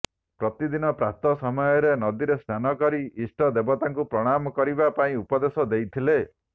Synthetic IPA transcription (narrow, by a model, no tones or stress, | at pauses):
pɾɔt̪id̪inɔpɾat̪ɔsɔmɔjɔɾenɔd̪iɾest̪ʰanɔkɔɾiisʈɔd̪ebɔt̪aŋkupɾɔɽ̃amɔkɔɾibapaĩupɔd̪esɔd̪ejt̪ʰile